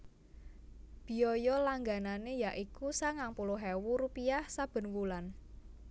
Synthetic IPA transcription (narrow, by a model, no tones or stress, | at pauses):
b̥i̤ɔjɔlaŋɡananejaʔikusaŋaŋpuloɦɛwuɾupiahsab̥ə̤nwulan